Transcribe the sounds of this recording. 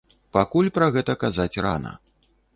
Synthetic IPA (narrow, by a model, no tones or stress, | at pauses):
pakulʲpɾɐɣɛt̪ɐkazat͡sʲra̰nɐ̰